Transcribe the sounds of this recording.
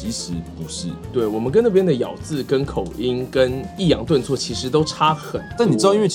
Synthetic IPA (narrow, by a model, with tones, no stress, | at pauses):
i˧˥ʂɻ̩˧˥pu˧˥ʂɻ̩˥˩t̪we˥˩ɪwɔ˨˩mə˦nkə˦nɤ˥˩pjɛ˥nd̪ə˨jɑ˨˩ʊt͡sɹ̩˥˨kə˥nkʰo˨˩ʊʔi˦˥nkə˦˥ni˥˩jɑ˧˥ŋt̪wə˥˧nt͡swɔ˥˩t͡ɕʰi˧˥ʂɻ̩˧˥t̪̬o˥ʊʈ͡ʂʰa˥xə˨˩nt̪a˥˩ni˨ʈ͡ʂɻ̩˥ɑ˥˧i˥w